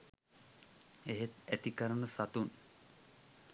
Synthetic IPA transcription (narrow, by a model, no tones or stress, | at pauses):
eɦet̪æt̪ikəɾənəsat̪un